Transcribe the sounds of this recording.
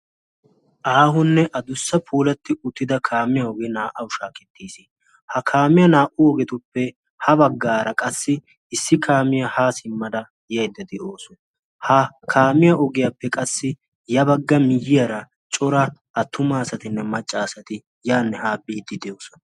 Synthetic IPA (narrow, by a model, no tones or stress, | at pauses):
ʔaːɦʊnːɛʔɐd̪ʊsːɐpʰuːlɐt̪ːɪʊt̪ːɪd̪ɐkʰaːmɪjɐɔɡɛnaːʔɐʊʃaːkɛt̪ːiːsɪ | hɐkʰaːmɪjɐnaːʔʊɔɡɛt̪ʊpːɛ | hɐbɐɡːaːɾɐkʼɐsːɪ | ɪsːɪkʰaːmɪjɐhaːsɪmːɐd̪ɐ | jɐjd̪ːɐd̪ɛʔoːsɔ | hɐkʰaːmɪjɐʔɔɡɪjapːɛkʼɐsːɪ | jɐbɐɡːɐmɪjɪjɐɾɐ | t͡ʃʼɔɾɐː | t̪ʰːʊmaːsɐt̪ɪnːɛmɐt͡ʃʼːaːsɐt̪ɪ | jaːnːɛhaːbiːd̪ɪd̪ɛjoːsɔ̥n